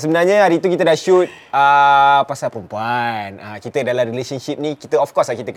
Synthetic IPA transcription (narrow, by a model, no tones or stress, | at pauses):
səbənarɲə̃ɦaɾit̪̬ukit̪ədaʃut̪̚ | əpasalpəɾumpuanəkit̪ədalamɾileʃənʃip̚nĩkit̪əɔfkɔslakit̪ək